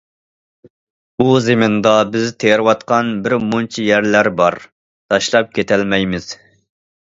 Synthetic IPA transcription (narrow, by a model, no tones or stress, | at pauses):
uzɪmɪnd̪ɑbɪzt̪ʰeɾwɑt̪̚qʰɑnbɪɾmont͡ʃʰijæɾlæɾbɑɾ | t̪ʰɑʃlˠɑp̚kʲʰet̪ʰɛlmɛjmɪz̥